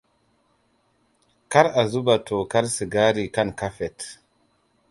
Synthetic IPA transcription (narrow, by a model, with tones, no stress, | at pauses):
ka˦ɾa˨zu˦ba˨tʰo˨ka˦ɾsi˨ɡa˦ɾi˨ka˦˨nka˦fɛ˨t